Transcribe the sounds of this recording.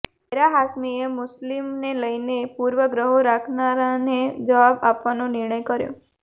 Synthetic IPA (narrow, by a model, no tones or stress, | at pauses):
eɾaɦasmiemʊslimneləjnepuɾʋəɡɾəɦoɾakʰnaɾaned͡ʒəʋabapʋanonɪɾɳəjkəɾjo̰